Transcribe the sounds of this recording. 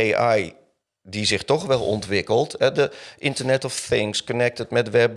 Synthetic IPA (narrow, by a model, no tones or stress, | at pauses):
eaj | dizɪxtɔxʋɛlˠɔ̰ntʋɪkəlˠtɛdəʔɪ̃ntəɹnɛtɔfθɪŋskɔnɛk̚tətmɛdʋɛb